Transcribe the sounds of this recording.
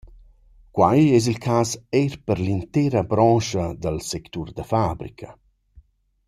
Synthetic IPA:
kwajɛz̬ilkʰaːsɛrpəɾlint̪ɛːɾabɾɔːʃad̪əlsɛkt̪urd̪əfabɾikʰa

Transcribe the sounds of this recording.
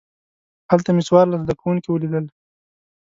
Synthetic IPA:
halt̪ameswɑɾlazd̪akawuŋkiwəlid̪əl

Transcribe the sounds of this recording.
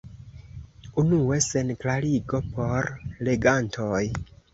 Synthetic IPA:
unue̞se̞nklaɾiɡo̞po̞ɾle̞ɡantʰoj

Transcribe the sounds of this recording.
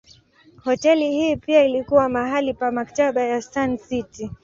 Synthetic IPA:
hɔtɛlihiːpiailikuwamaɦalipamaktaɓajasansiti

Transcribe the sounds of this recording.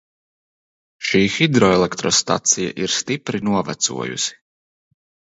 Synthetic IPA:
ʃiːxid̪ɾɔɛlˠɛkt̪ɾɔst̪a̰t̪sija̰ʔiɾst̪ipɾinuɔvæ̰t̪sṵɔjṵsi̥

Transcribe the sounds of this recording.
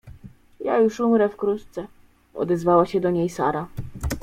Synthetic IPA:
ja̰juʂumɾɛfkɾut̪t̪sɛ | ɔ̰d̪ɛzvawaɕɛd̪ɔɲejsa̰ɾa

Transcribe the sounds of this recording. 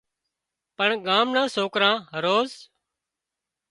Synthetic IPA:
pəɳɠaːmnãːsoːkɾãːɦəɾoːz

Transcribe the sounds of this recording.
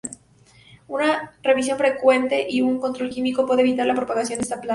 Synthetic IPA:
unare̞βis̬jo̞nfɾe̞kwe̞nt̪eʔiuŋko̞nt̪ɾo̞lkimiko̞pweðeβit̪aɾlapɾo̞paɣasjod̪est̪apla

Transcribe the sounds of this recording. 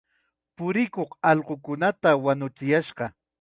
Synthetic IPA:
pʊɾɪkoχɑʎɢokʊnat̪awanʊt͡sɪjaʃɢɑ

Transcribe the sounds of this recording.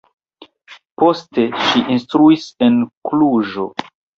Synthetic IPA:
po̞ste̞ʃiʔinstɾuise̞nkluʒo̞

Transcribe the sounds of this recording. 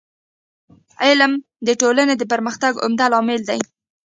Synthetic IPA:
ɪlm | d̪əʈolaned̪əp̬əɾməxt̪aɡʊ̰md̪alɑmɪld̪aj

